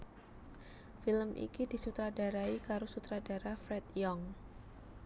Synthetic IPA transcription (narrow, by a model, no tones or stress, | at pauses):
filəmʔḭkidisut̪ɾadaɾaikaɾosut̪ɾadaɾafɾɛt̪jɔŋ